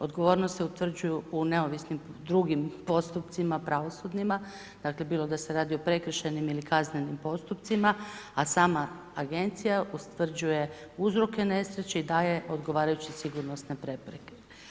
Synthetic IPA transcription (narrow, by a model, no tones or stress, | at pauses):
o̞d̪ɡo̞ʋo̞ːɾnost̪seut̪ʋr̩d͡ʑujuune̞o̞ʋisnimd̪ɾuɡimpo̞st̪upt̪simapɾaʋo̞sud̪nima | d̪̥akle̞biːlˠo̞d̪aseɾaːd̪io̞pɾe̞kr̩ʃenimilikazne̞nimpo̞st̪upt̪simaasaːmaː | ɡe̞nt̪sijaust̪ʋr̩d͡ʑuje̞uzɾo̞ke̞ne̞sɾet͡ɕeid̪aːje̞ʔo̞d̪ɡo̞ʋaːɾajut͡ɕisiɡuɾnosnepɾe̞pɾeke